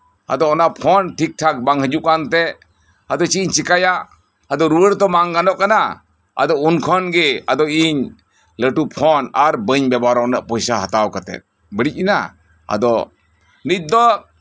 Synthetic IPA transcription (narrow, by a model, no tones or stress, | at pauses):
a̰d̪ɔɔnapʰɔnʈʰik̚ʈʰak̚baŋhəd͡ʒuʔkant̪ɛ | ad̪ɔt͡ʃiɲt͡ʃikajaʔ | ad̪ɔɾuəɾt̪ɔmaŋɡanɔʔkana | a̰d̪ɔunkʰɔnɡɛad̪ɔiɲ | ləʈupʰɔnaɾbəɲbɛbaɾɔnaʔpɔjsaɦat̪awkat̪ɛ̰t̚ | bəɽic̚ina | a̰d̪ɔ | nit̚d̪ɔ